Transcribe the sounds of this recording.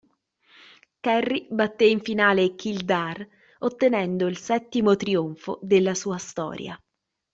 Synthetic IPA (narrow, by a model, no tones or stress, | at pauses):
kɛrːibat̪ːeiɱfinaːlekild̪ar | ot̪ːenɛnd̪oilsɛt̪ːimot̪ɾioɱfo̰d̪elːasuːast̪ɔ̰ːɾja̰